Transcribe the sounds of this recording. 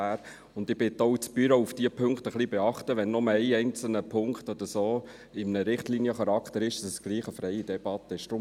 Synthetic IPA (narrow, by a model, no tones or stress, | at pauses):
æːɾ | ʊnd̪ɪb̥ɪt̪ːɔʊt͡sb̥yɾoufd̥iəpʰøŋkt̪əχlibɛɑχt̪əʋɛnːɔməɛɪɛɪnt͡sl̩nəpʰʊŋkχt̪ɔd̥̪əɾsoː | ɪmnəɾɪχtliːnijəχɑɾɑkt̪əɾɪʃɑsəsɡ̥liːχəfɾɛɪid̥ɛb̥ɑt̪ːəɪʃd̥ɾʊm